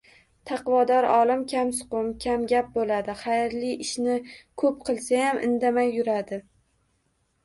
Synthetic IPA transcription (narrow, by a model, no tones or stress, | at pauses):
t̪ʰɑqvɒd̪ɒɾɒlˠɪmkʲʰamsʊ̥qʊmkʲʰamɡʲap̚bolad̪ɪχajɾlɪɪʃnɪkʰɵpqʰɨlˠsajamʔɪ̰nd̪amajːʊɾad̪ɪ